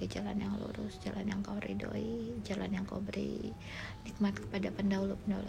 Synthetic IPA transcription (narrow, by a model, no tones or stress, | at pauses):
id͡ʒalanjaŋlṵɾʊsd͡ʒalanjaŋkauɾḭdoid͡ʒalanjaŋkaubəɾḭ | nik̚mat̪kə̥padapəndaulupəndol